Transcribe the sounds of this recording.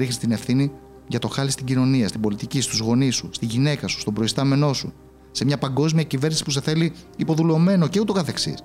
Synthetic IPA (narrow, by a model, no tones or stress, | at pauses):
ɾixnist̪ine̞fθini | ʝɐt̪o̞xɐlist̪iɟino̞niɐst̪ibo̞lit̪icist̪uzɣo̞nisust̪iʝine̞kɐsu̥st̪o̞bɾo̞ist̪ɐme̞no̞su | se̞mɲɐpɐŋɡo̞zmiɐcive̞ɾnisi̥puse̞θe̞liipo̞ðulome̞no̞ceut̪o̞kɐθe̞ksḭs